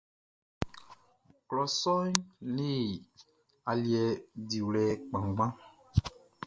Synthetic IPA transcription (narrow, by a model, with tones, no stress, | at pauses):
klɔ˨sɔ˦jne˦˨ | a˨li˨ɛ˨di˨wlɛ˨k͡pã˨ŋ˨ɡ͡bã˦